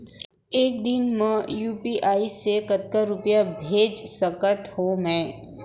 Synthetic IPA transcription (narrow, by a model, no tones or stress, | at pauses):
eːk̚d̪ɪnmə̃juːpiʔaːisekət̪kaɾʊpjabʱeːd͡ʒsɐkət̪hoːmɛ̃ː